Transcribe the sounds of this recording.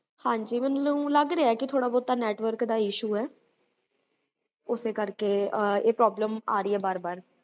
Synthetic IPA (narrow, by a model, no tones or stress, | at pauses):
hãːɲd͡ʒiːmɛnnũːləɡɾeaɛːkɪt̪ʰoːɽaːbɔːt̪ːaːnɛːʈʋəɾkd̪aːɪʃuːɛː | ʊseːkəɾkeːeːpɾɔːbləmaːɾiːɛːbaːɾbaːɾ